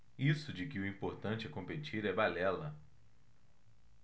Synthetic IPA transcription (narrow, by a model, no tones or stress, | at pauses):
isʊd͡ʒɪkɪʊĩmpoɾt̪ɐ̃t͡ʃɪɛkõpet͡ʃiɾɛbalɛlɐ